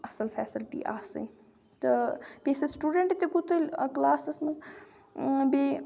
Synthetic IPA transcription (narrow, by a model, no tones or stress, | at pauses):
ɐsɐlfɛ̰ːsəlʈḭʔa̰ːsɨ̰ | t̪ɐbeːsesʈuːɖeɳʈt̪ekʊt̪əlʲklaːsɐsmɐz | be